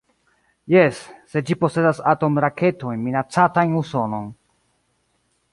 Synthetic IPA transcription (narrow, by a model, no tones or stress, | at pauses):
jesːe̞d͡ʒipo̞se̞dasato̞mɾakʰe̞to̞jnminat͡satajnuso̞no̞n